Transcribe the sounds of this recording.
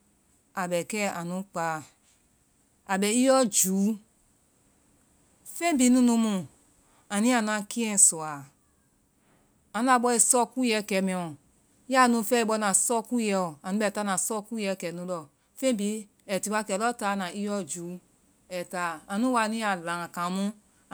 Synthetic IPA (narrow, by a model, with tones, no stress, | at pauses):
a˨bɛ˨kɛ˦a˨nũ˨˦k͡pa˨˦˨ | a˨bɛ˨i˦jɔ˦d͡ʒuː˨˦ | fẽ˦˨bi˨˦nũ˧˦nũ˧˦mũ˧˨ | a˨nĩ˦a˨n˦ã˧ki˦ɛ̃˦˨sɔ˨a˨ | a˨nũ˦a˧˨ɓɔ˧˦ɛ˧sɔ˦ku˦jɛ˨˦˨kɛ˨˦mɛ̃˨ɔ̃˨˦ | a˦˨nũ˧˦fɛ˦i˨bɔ˧˦nã˨sɔ˦ku˦jɛ˧˦ɔ˨a˨nũ˨˦bɛ˨ta˦nã˨sɔ˦ku˦jɛ˨˧˦kɛ˨nũ˦lɔ˧˨ | fẽ˦bi˨˦ | ɛ˨ti˨˦wa˦kɛ˨lɔ˦ta˨˦˨nã˨i˦jɔ˦d͡ʒu˨˦ | ɛ˨ta˨˦a˨nũ˦wa˧˨nĩ˦a˨lã˨kã˨mũ˦